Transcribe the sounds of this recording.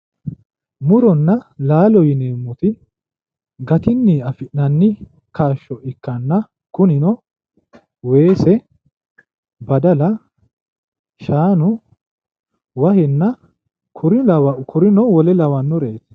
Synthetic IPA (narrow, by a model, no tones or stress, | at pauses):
mʊɾɔnːɐlaːlɔjɪneːmːʊt̪ɪ | ɡɐt̪ɪnːiːɐfɪʔnɐnːɪ | kaːʃːɔʔɪkːɐnːɐ | kʊnɪnɔ | we̞ːsɛ | bɐd̪ɐlɐ | ʃaːnʊ | wɐhɛnːɐ | kʰʊɾɪlɐwɐkʰʊɾɪnɔwɔlɛlɐwɐnːɔɾe̞ːt̪